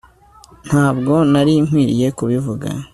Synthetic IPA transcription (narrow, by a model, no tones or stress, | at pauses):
n̥haːbɡo̞naɾiŋ̥hwiːɾije̞kuβivuɡa̰